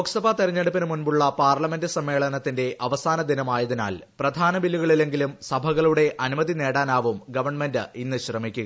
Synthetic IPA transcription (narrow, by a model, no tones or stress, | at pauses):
oksɐbʱɐt̪iɾɐɲːeɽupːɐnɨmunbuɭːɐpaːrlɐme̞ndɨsɐmːe̞ːɭɐnɐt̪ːinde̞ʔɐʋɐsaːnɐd̪inɐmaːjɐðina̰ːlprɐd̪ʱaːnɐbilːuɣɐɭile̞ŋɡilumsɐbʱɐɣɐɭuɽe̞ʔɐnumɐðine̞ːɽaːnaːʋumɡɐʋɐrɳme̞ndɨinːɨɕrɐmikʲːuɣɐ